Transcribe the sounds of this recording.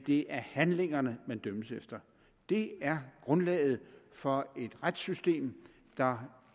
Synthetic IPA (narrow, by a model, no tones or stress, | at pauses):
d̥e̝ʔæɐhænle̝ŋɐnəmænd̥øməsefd̥ɐ | d̥e̝æɐɡ̥ʁɔ̽nlɛ̰ːð̞̩ˠfɒ̽e̝d̥ʁad̥sysd̥e̝̰ːm | d̥ɑ̈